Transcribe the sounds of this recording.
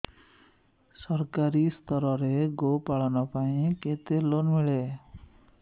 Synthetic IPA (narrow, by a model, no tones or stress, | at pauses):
sʌrkaɾist̪ʌɾʌɾeɡopaɭɔnʌpaĩket̪elonmiɭe